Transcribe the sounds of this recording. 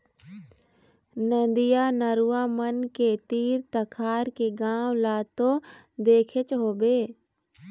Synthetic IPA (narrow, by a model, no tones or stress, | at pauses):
nə̃nd̪ɪjaːnəɾuːaːmənket̪iːɾt̪əkʰaːɾkeɡãːwlaːt̪oːd̪eːkʰet͡ʃɦoːbeː